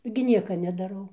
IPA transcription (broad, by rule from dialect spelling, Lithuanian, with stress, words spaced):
ɡʲɪ ˈnʲiɛkɐ nʲɛdɐˈrɐʊ